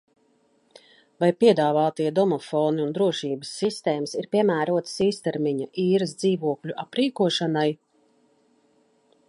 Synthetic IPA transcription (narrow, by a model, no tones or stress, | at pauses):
vajpiɛd̪aːvaːt̪iɛd̪ɔmɔfɔːniund̪ɾuɔʃiːbəsːist̪ɛːmsiɾpiɛmæːɾuɔt̪siːst̪ɛɾmiɲaʔiːɾəsd̪ziːvuɔkʎʲuʔapɾiːkuɔʃanaj